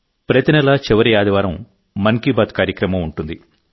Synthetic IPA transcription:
pɾɐt̪inɛlɐt͡ʃiʋɐɾijaːd̪ɐʋaːɾɐmː | ɐŋkiːbaːt̪kaːɾjɐkɾɐmɐmuɳʈund̪i

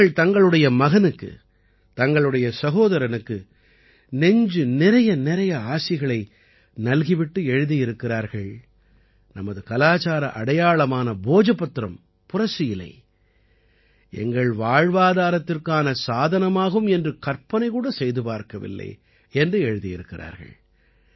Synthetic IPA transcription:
ɐɭt̪ɐŋɡɐɭɯɽɐjɐmɐɣɐnɯkːɯ̰ | t̪ɐŋɡɐɭɯɽɐjɐsɐɣoːðɐɾɐnɯkːɯ | nɛɲd͡ʒɯnɪɾɐjɐnɪɾɐjɐaːsɪɣɐɭɐɪ | nɐlɣɪʋɪʈːɯɛɻɯðijɪɾɯkːɪraːɾɣɐɭ | nɐmɐðɯkɐlaːt͡ʃaːɾɐ̰ʔɐɽɐjaːɭɐmaːnɐboːd͡ʒɐpːɐt̪ːɾɐm | pʊrɐsɪjɪlːɐ̰ɪ | ɛ̰ŋɡɐɭʋaːɻʋaːðaːɾɐt̪ːɪrkaːnɐsaːðɐnɐmaːɣɯmɛndrɯkɐɾpɐnɐɪkuːɽɐsɛjðɯpaːɾkɐʋɪ̰lːɐ̰ɪ | ɛndrɯɛɻɯðijɪɾɯkːɪra̰ːɾɣɐ̰ɭ

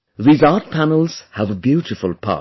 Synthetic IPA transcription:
ðiːzɑɹt̚pʰænəl̩ˠz̥həvəbjʉɾɪfʊlˠpʰɑ̰ˑ

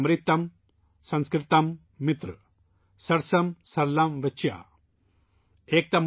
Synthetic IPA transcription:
mɾit̪ːɐm | sɐ̃nskɾit̪ɐmː | it̪ɾɨ | sɐɾsɐmsɐɾlɐmʋɐt͡ʃʰja̰ | eːk̚t̪ɐm

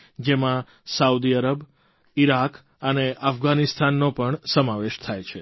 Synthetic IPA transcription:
d͡ʒemã | saud̪iəɾəb | iɾak | əneafɡanist̪ʰanːopəɳsəmaʋeʃt̪ʰajt͡ʃʰe

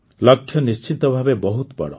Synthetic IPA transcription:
lɔkʰːjɔnist͡ʃit̪ɔbʱabebɔɦut̪bɔ̰ɽɔ̰

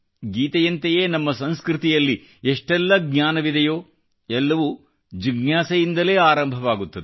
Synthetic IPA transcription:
ɡiːt̪ɐjɐnt̪ejeːnɐmːɐsɐnskɾit̪ijɐlːi | eʂʈɛlːɐɡɲaːnɐʋid̪ɐjoː | ɛlːɐʋu | d͡ʒiɡɲjaːsɐjind̪ɐle̞ːaːɾɐmbʱɐʋaːɡut̪ːɐd̪e

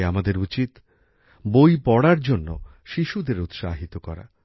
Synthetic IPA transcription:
amad̪eɾut͡ɕit̪ | bojpɔɽaɾd͡ʑonːo | ʃiʃud̪eɾut̪ʃaɦit̪okɔɾa̰

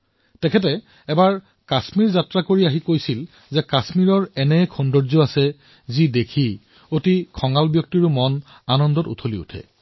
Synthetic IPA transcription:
tɛkʰɛt̬ɛ | ɛbaɹ | kasmiɹzatɹakoɹiaɦikojsil | zɛkasmiɹɔɹɛnɛkʰɔndɔɹzɔasɛ | zidekʰi | otikʰɔŋalbjɔk̚tiɹʊmɔn | anɔndɔtṵtʰoliṵtʰɛ̰

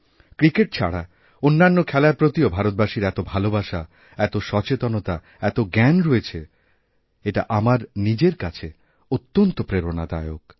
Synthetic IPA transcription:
kɾikeʈ̚t͡ɕʰa̰ɽa | onːanːokʰɛlapɾot̪iobʱaɾot̪̚baʃiɾɛt̪obʱalobaʃa | ɛt̪oʃɔt͡ɕet̪onot̪a | ɛt̪oɡɛnɾoet͡ɕʰe | eʈa̰ʔamaɾnid͡ʑeɾkat͡ɕʰe | ot̪ːont̪opɾeɾonad̪a̰eok̚

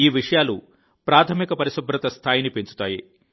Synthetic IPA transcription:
iːʋiʂɐjaːlṵ | pɾaːt̪ʰɐmikɐpɐɾisubʱɾɐt̪ɐst̪ʰaːjinipeɲt͡ʃu̥t̪aːji

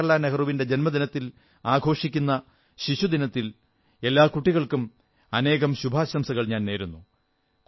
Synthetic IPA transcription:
ɐlaːnɐɣɐruʋinde̞d͡ʑe̞nmɐd̪inɐt̪ːil | aːɡʱo̞ːʂikʲːunːɐ | ɕiɕud̪inɐt̪ːil | e̞lːaːkuʈːiɣɐɭkum | ɐne̞ːɣɐmɕubʱaːɕɐmsɐɣɐɭɲaːnne̞ːɾunːu

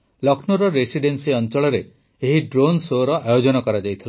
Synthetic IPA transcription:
lɔkʰnɔɾɔɾesiɖensiɔnt͡ʃɔɭɔɾeː | ɦiɖɾonsoɾɔʔajod͡ʒɔnɔkɔɾad͡ʒajt̪ʰila

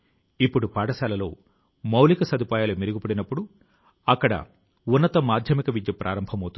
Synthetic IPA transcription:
ipːuɽupaːɽɐsaːlɐlo̞ː | mɐwlikɐsɐd̪upaːjaːlɐmiɾuɡipɐɽinɐpːuɽu | ɐkːɐɽɐ̰ | unːɐt̪ɐmaːd̪ʱjɐmikɐʋid̪jɐpɾʔa̰ːɾɐmbʱɐmɐwt̪u

